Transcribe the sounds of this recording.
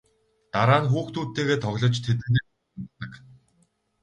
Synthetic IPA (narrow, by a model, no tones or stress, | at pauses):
t̪aɾaːnxuːxt̪ʰuːt̪ːeːɣeːt̪ʰɔɣʲɮɞ̆t͡ɕt̪ʰet̪ɘ̆neːɔ | ə̆mɔt̪ə̆k